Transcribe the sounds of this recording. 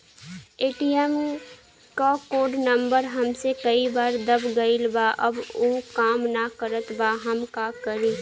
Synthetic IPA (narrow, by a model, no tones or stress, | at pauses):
eːʈiɛm | ʈɔkoːɖnə̃mbəɾɦɐmsekɐibaːɾd̪əbɡɐilbaːʔɐboːkaːmnakəɾət̪baːɦɐmkakəɾiː